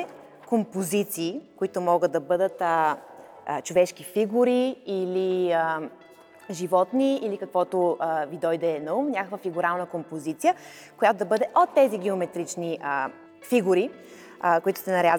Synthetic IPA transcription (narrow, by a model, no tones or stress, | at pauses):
ɛ | kompozit̪siːkoit̪ʊmɔɡət̪̚d̪ɐbɤd̪ət̪ə | t͡ʃovɛʃk̟ifiɡuɾiiliə | ʒivɔt̪niilikɐkvɔt̪oəvid̪ɔjd̪ɛnɐumnʲakəkvəfiɡuɾalˠnəkompozit̪sijə | kojat̪od̪ɐbɤd̪ɛʔot̪ːɛziɡɛomɛt̪ɾit͡ʃniə | fiɡuɾi | koit̪ʊ̥sɛnɐɾʲjaz